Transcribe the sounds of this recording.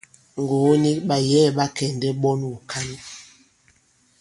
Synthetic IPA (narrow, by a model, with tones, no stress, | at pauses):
ŋ˨ɡo˨˦ni˦k̚ɓa˨jɛː˦˨ɓa˦kɛ˨ndɛ˦ɓɔ˦nu˨kʰa˦n